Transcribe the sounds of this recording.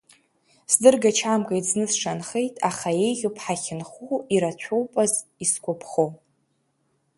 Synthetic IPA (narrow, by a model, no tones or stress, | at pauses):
sdɨrɡat͡ʃʰamkʼajznɨsʂanχe̞jtʼaχaje̞jʁʲopʰħaχʲɪnχuiɾat͡ɕʷʰowpʼaziskʷʰʼopʰχow